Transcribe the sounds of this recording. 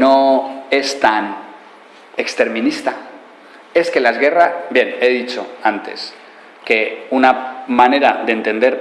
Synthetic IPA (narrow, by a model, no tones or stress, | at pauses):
no̞e̞st̪an | ekst̪e̞ɾmĩnist̪a | e̞ske̞laezɣe̞rasbje̞ne̞ðit͡ʃo̞ant̪e̞̰s | ke̞unamane̞ɾaðeːnt̪e̞nd̪e̞ɾ